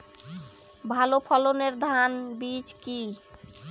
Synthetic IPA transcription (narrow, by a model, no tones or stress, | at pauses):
bʱalopʰɔloneɾd̪ʱanbid͡ʑki